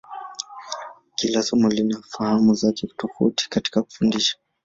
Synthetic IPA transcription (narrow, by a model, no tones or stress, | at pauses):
kilasɔmulinafahamuzakɛu̥tufṵti̥kati̥kaku̥fundiʃḁ